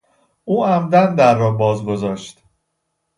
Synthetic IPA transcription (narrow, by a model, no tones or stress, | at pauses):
ʔuːæmd̪ænd̪æɾːɒːbɒːzɡo̞zɒːʃt̪